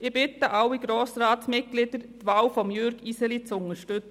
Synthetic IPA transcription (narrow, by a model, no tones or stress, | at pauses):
ɪbɪt̪əʔaʊwːiɡ̥ɾoːsɾaːtsmɪt̚ɡ̥lɪd̥̪əɾt̪ʋaːwfɔmjøɾɡisəlit͡sʊŋəʃtʏt͡s